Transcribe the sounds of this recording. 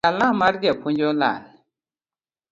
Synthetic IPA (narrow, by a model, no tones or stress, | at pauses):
alamaɾɡapʰuɲd͡ʒɔla̰lɛ